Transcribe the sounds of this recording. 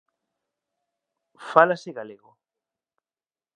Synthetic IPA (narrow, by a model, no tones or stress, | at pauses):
falaseɣaleɣo